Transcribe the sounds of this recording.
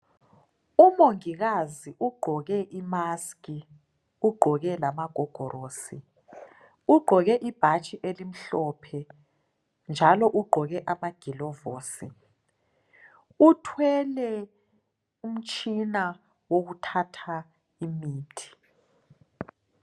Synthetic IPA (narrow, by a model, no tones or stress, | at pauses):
umoŋiɣaziʔuɡ͡ǃʱɔɣɛʔimaski | uɡ͡ǃʱɔɣɛlamaɡ̥ʱɔɡ̥ʱɔɾoːsi | uɡ͡ǃʱɔɣɛʔib̥ʱat͡ʃʼiʔelim̩ɬɔpʰɛ | nd͡ʒʱalɔʔuɡ͡ǃʱɔɣɛʔamaɡ̥ʱilɔvoːsi | utʰwɛlɛ | um̩t͡ʃʼina | woɣutʰatʰa | imiːtʰi̥